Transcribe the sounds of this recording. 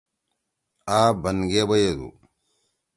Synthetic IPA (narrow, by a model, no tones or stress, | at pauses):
aːbɐnɡebɐjed̪ṵ